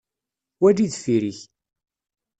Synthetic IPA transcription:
wæd͡ʒiðfiɾiç

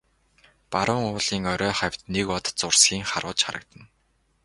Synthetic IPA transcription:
paɾʊːŋʊːɮiːŋɔɾœːχæw̥ʲt̪nekɔt̪t͡sʊrsɡʲiːŋχaɾʊːt͡ɕχa̰ɾə̆k̚t̪ə̆n

